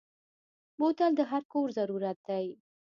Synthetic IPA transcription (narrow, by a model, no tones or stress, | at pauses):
mot̪ald̪əɦaɾkoɾzaɾuɾat̪̚d̪aj